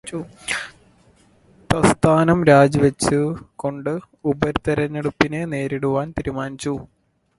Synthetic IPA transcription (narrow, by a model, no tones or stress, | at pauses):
u | t̪ɐst̪ʰaːnɐmɾaːd͡ʑɐʋɐt͡ɕːɨko̞ɳɖɨ | ubɐɾt̪ɐɾɐnːeɽupːine̞ne̞ːɾiɽuʋaːnt̪iɾumaːnit͡ɕːu